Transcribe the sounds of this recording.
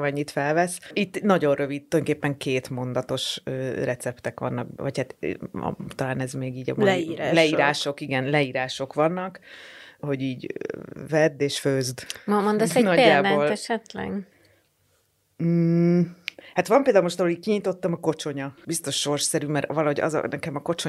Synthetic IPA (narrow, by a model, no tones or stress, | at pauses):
mɛɲːit̪fɛlvɛsit̪ːnɒɟo̞nrʔøvid̪̚t̪ːojonokeːpːɛŋkʰeːt̪mo̞nd̪ɒt̪o̞ʃøːrɛt̪sɛpt̪ɛkʋɒ̰nːɒkʋɒ̰chat̪ | t̪ɒlaːnɛzmeːɡiːɟɒ̰mliɾaːlɛiːɾaːʃo̞kiɡɛnlɛiːɾaːʃo̞kʋɒnːɒkho̞ɟiːɟvɛd̪ːeːʃføzd̪mmond̪ɛsɛnɒɟːaːd̪boːlɛʃɛt̪lɛ̰ɡ | hat̪ʋɒmpeːld̪aːlumo̞ʃt̪ɒɦlolickiɲit̪o̞t̪ːɒmɒko̞t͡ʃo̞ɲɒbist̪o̞ʃːo̞rʃsɛɾymɛɾvɒlɒɦo̞ɟɒ̰zɒ̰nɛkɛmɒko̞t͡ʃo